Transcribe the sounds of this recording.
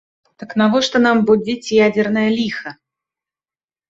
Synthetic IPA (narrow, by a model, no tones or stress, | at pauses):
t̪ɐknavɔʂt̪ɔnambud͡zʲit͡sʲjad͡zʲɛrnɐjɐlʲixɐ